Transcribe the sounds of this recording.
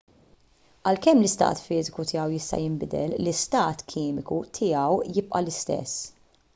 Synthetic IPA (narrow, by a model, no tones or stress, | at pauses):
ɐlkɛmːlɪst̪ɐ̰ːt̪fɪːzɪkut̪ɪjɐwjɪst̪ɐ̰jɪmbɪd̪ɛllɪst̪ɐːt̪kʰɪːmɪkut̪ʰɪjɐwjɪp̚ʼʔɐlɪst̪ɛ̰sː